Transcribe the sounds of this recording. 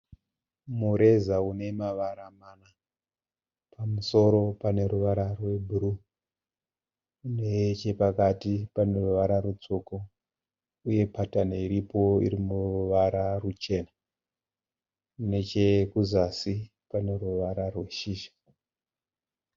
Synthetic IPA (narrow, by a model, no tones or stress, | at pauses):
muɾe̞zaune̞maʋaɾamana | pʰamuso̞ɾo̞pane̞ɾuʋaɾarwe̞bʱuɾu | net͡ʃe̞pakatipane̞ruʋaɾaɾut͡soko | uje̞patanaiɾipo̞ḭɾimuʋaɾarut͡ʃe̞na | ne̞t͡ʃe̞kuzasi | pane̞ruʋaɾarwe̞ʃiːʃḁ